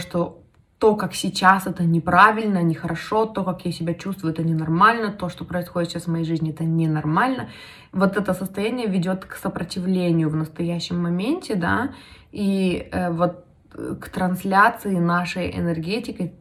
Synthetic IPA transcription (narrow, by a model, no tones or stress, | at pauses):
ʂt̪o | t̪o̞kaksʲɪt͡ɕasɛt̪ənʲɪpɾavʲɪlʲnənʲɪxəɾʔɐʂo̞t̪o̞kakjasʲɪbʲat͡ɕust̪vʊjʊɛt̪ənʲɪnɐrmalʲnət̪o̞ʂt̪o̞pɾəɪsxodɪt̪ɕʲasvmɐjejʐɨzʲnʲɪɛt̪ənʲɪnɐrmalʲnə | vo̞t̪ɛt̪əsəst̪ɐjænʲɪjəvʲɪdʲo̞t̪ksəpɾətʲɪvlʲenʲɪjʊvnəst̪ɐjæɕːɪmːɐmʲenʲtʲɪd̪a̰ | iəvo̞t̪̚ | kt̪ɾɐnslʲat̪sɨɪnaʂəjɪ̰nɛrɡʲetʲɪkə